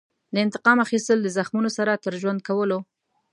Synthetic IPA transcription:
d̪əɪnt̪ɪ̥qɑmaxist̪əld̪əzaxmunosaɾat̪əɾʒwand̪̚kawəlo

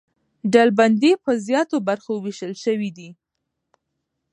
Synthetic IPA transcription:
ɖalband̪ipəzjɑt̪obaɾxowiʃəlʃəwid̪i

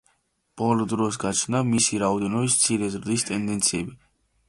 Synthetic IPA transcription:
b̥ɔlɔd̪ɾɔsɡat͡ʃʰnamisiɾaɔd̪ɛnɔbist̪sʰiɾɛzɾd̪ist̪ʼɛnd̪ɛnt̪sʰiɛbi

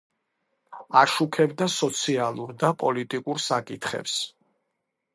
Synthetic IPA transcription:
aʃukʰɛbd̪asɔt̪sʰialˠuɾd̪apʼɔlit̪ʼikʼuɾsakʼit̪ʰχɛ̰ps

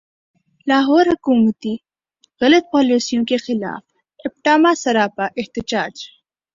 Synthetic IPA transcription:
lɑːɦoːɾhʊkumət̪i | ɣɐlat̪̚paːlisijũkexɪlɑ̰ːf | ɪp̚ʈaːmasɐɾaːpaʔɪht̪ɪd͡ʒɑːd͡ʒ

